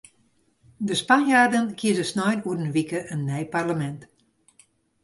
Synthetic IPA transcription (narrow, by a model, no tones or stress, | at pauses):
dəspanjaːrdənkʰiəzəsnɔjnuədənʋikəʔənːɛjparləmɛnt